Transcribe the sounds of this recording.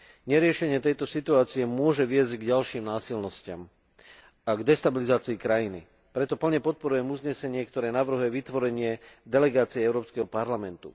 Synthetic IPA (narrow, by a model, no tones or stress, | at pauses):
ɲɛɾɪɛʃɛɲɪɛt̪ɛjt̪ɔsit̪uaːt͡sijɛmʊɔʒɛʋɪɛzɟɡɟalʃiːmnaːsilnɔscɪa̰m | aɡd̪ɛst̪abilizaːt͡siːkɾajinḭ | pɾɛt̪ɔpl̩ɲɛpɔt̪̚pɔɾujɛmuzɲɛsɛɲɪɛkt̪ɔɾɛːnaʋr̩ɦujɛʋit̪ʋɔɾɛɲɪɛd̪ɛlɛɡaːt͡siɛɛʊɾɔːpskɛɦɔpaɾlamɛnt̪ṵ